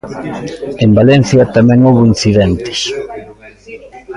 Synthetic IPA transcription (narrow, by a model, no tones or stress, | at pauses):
embalɛn̟θjɐt̪amɛ̃ŋowβoinθiðent̪ɪ̥s